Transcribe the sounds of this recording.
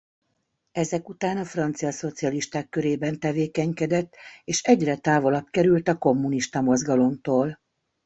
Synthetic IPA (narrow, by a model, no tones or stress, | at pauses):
ɛzɛkut̪aːnɒfrɒnt̪sijɒso̞t̪siɒliʃt̪aːkːøɾeːbɛnt̪ɛveːkɛɲkɛd̪ɛt̪ːeːʃɛɟrɛt̪aːvolɒpkɛɾylt̪ɒko̞mːuniʃt̪ɒmo̞zɡɒlo̞mt̪oːl